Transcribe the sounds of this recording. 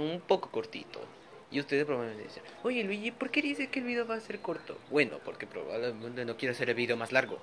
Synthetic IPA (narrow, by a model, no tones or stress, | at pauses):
umpo̞koko̞ɾt̪ḭt̪o̰ | ḭust̪e̞ðepɾoβaβlemeneseao̞ʝe̞lwiʝipo̞ɾke̞ðisekeːlβiðe̞oβaːse̞ɾko̞ɾt̪o̰bwe̞no̰po̞ɾkepɾoβa̰βlement̪e̞no̞kjeɾeaseɾelβiðe̞o̞maslaɾɣo̰